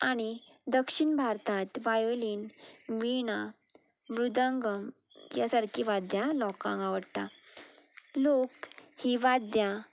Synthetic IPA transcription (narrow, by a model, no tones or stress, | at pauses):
aɽ̃i | d̪əkʂiɳbʱaɾt̪at̪ʋajoliːnʋiɳa | ʋɾud̪ə̃ŋɡəm | jasaɽkʰiʋad̪jalɔkã̰ŋɡaʋəɽt̪a | lokhiʋad̪ja